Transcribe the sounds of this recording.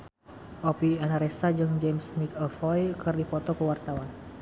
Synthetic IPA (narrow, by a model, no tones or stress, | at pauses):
ʔopianaɾɛst̪ad͡ʒɨŋd͡ʒɛmsmikəfɔjkʰɨrdipɔt̪ɔkəwart̪awan